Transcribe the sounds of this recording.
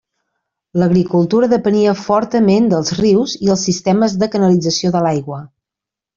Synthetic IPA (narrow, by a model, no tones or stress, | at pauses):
ləɣɾikulˠt̪uɾəðəpəniəfɔɾt̪əmend̪əlˠzriwziəlˠsːist̪ɛməzðəkənəlid͡zəsioðəlajɣwə